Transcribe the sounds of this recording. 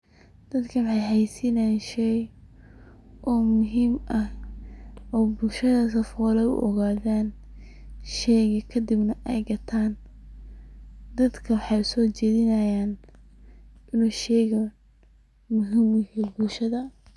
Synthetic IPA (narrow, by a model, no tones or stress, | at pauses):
d̪̥ɐd̪kʰɐwɑħɑjhɛjsinaːnʃɛj | ʔɔːmʊɦiːmʔɐh | ʔɔːbʊlʃɐðɐs̬ɐfɔːlɐʊ̰ʔɔ̰ɣaːðaːn | ʃɛjɣɐkʰɐd̪ɪbnɐʔɛjɡɐt̪ʰaːn | d̪ɐd̪kʰɐwɑħɑjʊsɔːt͡ʃɛːðɪnɐjaːn | ɪnuːʃɛjɣɐ | mʊɦiːmjɐhɛːbʊlʃɐðɐ